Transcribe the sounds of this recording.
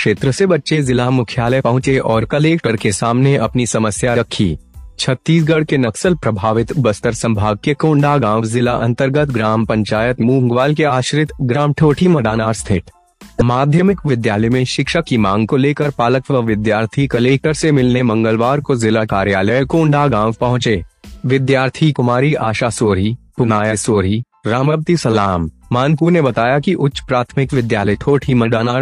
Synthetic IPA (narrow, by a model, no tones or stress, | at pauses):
kʃeːt̪ɾəsebɐtːʃezɪlamʊkʰjaːləjpɐɦʊ̃t͡ʃeʔɔːɾkɐleːkʈəɾkesaːmneʔɐpnisɐməsjaɾɐkʰːḭːt͡ʃʰɐt̪ːiːs̬ɡɐɽkenɐksəlpɾɐbʱaːʋɪt̪bɐst̪əɾsɐ̃mbʱaːɡ̚kekõːɳɖaːɡãːʋzɪlaʔɐ̃nt̪əɾɡət̪ɡɾaːmpɐ̃ɲt͡ʃaːjət̪mũːŋɡʋaːlkeaːʃɾɪt̪ɡɾaːmʈʰoːʈʰimɐɖaːnaːɾst̪ʰɪʈ | maːd̪ʱjəmɪkʋɪd̪jaːləjmẽʃɪkʃəkːimãːŋɡkoleːkəɾpaːləkʋəʋɪd̪jaːɾt̪ʰikɐleːk̚ʈəɾsemɪlnemɐ̃ŋɡəlʋaːɾkozɪlakaːɾjaːləkoʊ̃ɳɖʱaːɡãːʋpɐɦʊ̃t͡ʃeːʋɪd̪jaːɾt̪ʰikʊmaːɾiaːʃasoːɾipʊnaːjəsoːɾi | ɾaːməb̚t̪isɐlaːmːaːnp̬uːɾnebɐt̪aːjakiʔʊtːʃpɾaːt̪ʰmɪkʋɪd̪jaːləiʈʰoːʈʰimɐɖaːnaːɾ